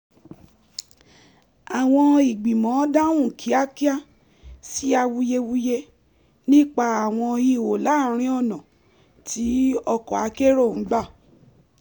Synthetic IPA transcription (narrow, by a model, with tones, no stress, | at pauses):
a˨w̃ɔ̃˧i˨ɡ͡bi˨mɔ̃˨˦da˦wũ˦˨kʰi˨˦a˦ki˦a˦˨ | si˦a˧wu˧je˧wu˦je˧ | nĩ˦k͡pa˧a˨w̃ɔ̃˧i˧˨wo˨la˨˦ɾ̃ĩ˦ɔ˦˨nɔ̃˨ | ti˨˦ɔ˧kɔ˨a˨˦ke˦ɾo˦˨n̩˨˦ɡ͡ba˦˨